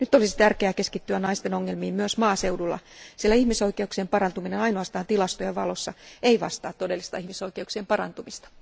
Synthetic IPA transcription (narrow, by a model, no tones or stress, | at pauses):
nyt̪ːˑolisi̥t̪ærkeækeskit̪ːyænɑist̪enoŋːelmiːmmyøsmɑːsewdulːɑ̰sielæihmiso̞ikeuksieːmpɑrɑnt̪uminenɑinoɑst̪ɑːnt̪ilɑst̪ojeʋɑ̰losːɑeiʋɑ̰st̪ɑːt̪ːodelːist̪ɑ̰ihmiso̞ikeuksiempɑrɑ̰nt̪umist̪ɑ̥